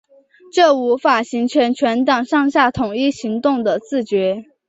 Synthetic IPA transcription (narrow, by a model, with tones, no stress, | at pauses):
ʈ͡ʂɤ˥˩u˧˥fa˨˩ɕi˧˥ŋt͡ɕʰɥɛ˧˥nt͡ɕʰɥɛ˧˥nt̪ɑ˨˩ŋʂɑ˥˧ŋɕja˥˩t̪ʰʊ˨˩ŋi˥˩ɕi˧˥ŋt̪ʊ˥˩ŋd̪ə˩t͡sɹ̩˥˩t͡ɕɥɛ˧˥